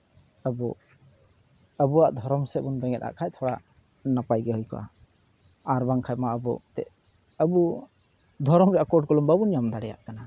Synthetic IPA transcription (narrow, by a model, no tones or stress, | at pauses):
əbɔ | əbuaʔd̪ʱɔɾɔmsɛbunbɛŋɛt̪a̰ʔkʰajt̪ʰɔɽaʔ | napajɡɛhɔjkɔ̰ʔa̰ | aɾbaŋkʰajmaəbɔt̪ɛ̰ʔ | əbu | d̪ʱɔɾɔmɾɛʔakɔɖ̚kɔlɔmbabunijamd̪aɽɛja̰ʔkana